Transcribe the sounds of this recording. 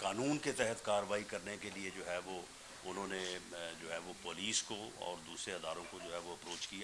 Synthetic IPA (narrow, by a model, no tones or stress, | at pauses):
kaːnuːnket̪ɛɦət̪kaːɾəʋaːikɐɾnekelied͡ʒoːɦɛʋo | ʊn̤ɦõːned͡ʒoːɦɛʋopoːliːskoɔ̰ːɾd̪uːsɾeɦɐd̪aːɾõkod͡ʒoːɦɛʋoɐpɾoːt͡ʃkija